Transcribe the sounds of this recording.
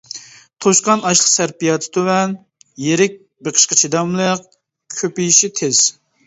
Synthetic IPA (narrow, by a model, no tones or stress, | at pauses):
t̪ʰoʃqɑnɑʃlˠə̥qsæɾpijɑt̪ʰɪ̥t̪ʰøwɛn | jeɾɪk̚ʲ | beqʰə̥ʃqət͡ʃʰid̪ɑmlˠəq | kʲʰøpijiʃit̪ʰez̥